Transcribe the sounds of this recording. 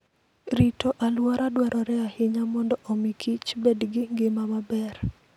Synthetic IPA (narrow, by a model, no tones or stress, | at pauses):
ɾitɔʔalwaɾadwaɾʔɔɾɛahɪɲamɔndɔʔɔmikʰit͡ʃbedɡɪŋɡɪmamabɛr